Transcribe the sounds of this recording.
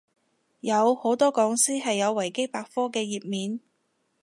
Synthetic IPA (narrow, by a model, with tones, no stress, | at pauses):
jɐ˨˧who˨˥wt̪ɔː˥kɔː˨˧ŋsiː˥hɐ˨jːɐ˨˧wːɐ˨˩jke˥jpaː˧k̚fɔː˥kɛː˧jiː˨p̚miː˨n